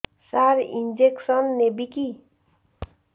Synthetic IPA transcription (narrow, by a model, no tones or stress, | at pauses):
saɾind͡ʒeksʌnːebiki